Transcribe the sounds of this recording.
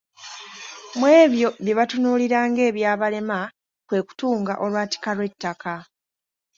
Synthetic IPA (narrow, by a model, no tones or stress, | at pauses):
mwe̞ːβjo̞βjeβatunuːliɾaːŋɡe̞ːβjaːβale̞ma | kwe̞ːku̥tuːŋɡa̰ʔo̞lwaːti̥kalwe̞tːaka